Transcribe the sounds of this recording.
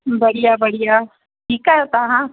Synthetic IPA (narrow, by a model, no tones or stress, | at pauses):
bɐɽijabɐɽ̤ija | ʈiːkat̪aɦã